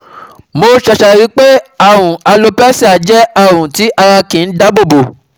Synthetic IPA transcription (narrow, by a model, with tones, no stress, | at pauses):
mo˧ʃɛ˧˨ʃɛ˨ɾi˨˦k͡pe˦a˦˨w̃ũ˨a˧lo˧pɛ˦si˦˨a˨d͡ʒɛ˨˦a˦˨wũ˨ti˨˦ʔa˧ɾa˧kĩ˨n̩˦da˦bo˦˨bo˨